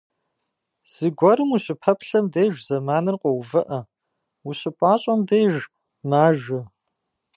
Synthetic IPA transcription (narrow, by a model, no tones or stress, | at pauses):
z̥ɨɡʷɔɾɨmuɕɪpʰɐpʰɬɐmdejʒʷzɐmaːnɨrqʷɔwvɐʔɐ | wuɕɪpʼɑːɕʼɐmdeːʒ | maːʒɪ